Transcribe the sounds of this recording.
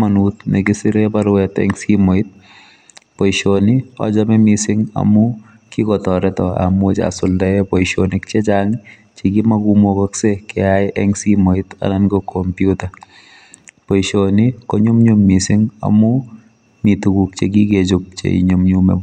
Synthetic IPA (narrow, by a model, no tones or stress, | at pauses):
manut̪nɛkɪsɪɾebaɾwɛtɛ̰ŋsimoit̪̚ | pɔjʃoniɔ̰d͡ʒamɛmisɪŋa̰mʊ | kikɔtɔɾɛtɔa̰mwot͡ʃa̰sʊldaɛpɔjʃonɪk̚t͡ʃet͡ʃaŋ | t͡ʃeɡimaɡumokɔksekɛajʔɛŋsimoɪta̰nankɔkʰɔmpjuta | pɔʃonikɔɲʊmɲumːisɪŋa̰mʊ | mitukuk̚t͡ʃeɡiɡed͡ʒʊk̚t͡ʃḛḭɲʊmɲumɛ̰